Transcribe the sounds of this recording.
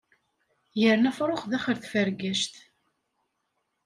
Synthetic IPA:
jəɾnæfɾˤoχðæχəɾθfəɾɡæʃt̪

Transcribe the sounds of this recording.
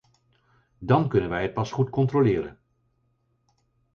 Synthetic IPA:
dɑnkɵnənʋɛjɦət̚pɑsχutkɔntrolɪːɾə̰n

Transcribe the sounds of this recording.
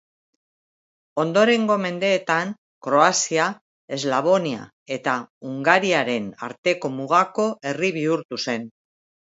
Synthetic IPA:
o̞nd̪o̞ɾe̞ŋɡo̞me̞nd̪e̞ːt̪an | kɾo̞asia | e̞zlaβ̞o̞nia̰ | e̞t̪auŋɡaɾiaɾe̞na̰ɾt̪e̞ko̞muɣako̞ʔe̞riβiuɾt̪use̞n

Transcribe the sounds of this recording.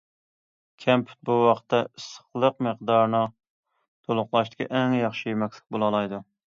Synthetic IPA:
kʲʰɛmpʰy̥t̪̚buwɑqt̪ːɛɨsə̥χlˠəqməqd̪ɑɾnɨ | t̪ʰolˠʊqlˠɑʃt̪ɪ̥kʲʰḭʔɛŋjɑχʃimɛkʲsɪ̥k̚ʲbolˠɑlˠɑjd̪u

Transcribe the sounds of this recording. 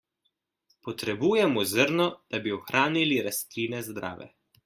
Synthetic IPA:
pɔt̪ɾɛbuːjɛmɔzəɾnɔd̪̥abiɔxɾʔaːniliɾast̪ɾiːnɛzd̪ɾʔa̰ːʋɛ̰

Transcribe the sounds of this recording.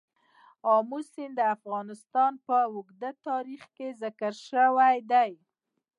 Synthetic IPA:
ɑmusind̪əafɣɑnɪst̪ɑnpəʊɡd̪at̪ɑɾixkezɪkəɾʃəwajd̪aj

